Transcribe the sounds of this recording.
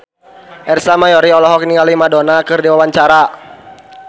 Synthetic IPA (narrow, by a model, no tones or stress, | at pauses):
ʔɛrsamajɔɾiɔlɔɦɔk̚niŋalimadɔnakɨrdiwawaɲt͡ʃaɾa